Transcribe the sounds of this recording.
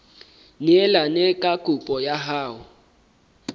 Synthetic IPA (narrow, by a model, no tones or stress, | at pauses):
nɛlanɛkʼakʼupʼɔjaɦaːwʊ